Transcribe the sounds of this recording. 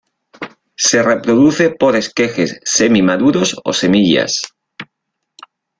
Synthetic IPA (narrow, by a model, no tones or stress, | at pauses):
se̞re̞pɾoðuθe̞po̞ɾe̞skexe̞sːemimaðuɾoso̰se̞miʎa̰s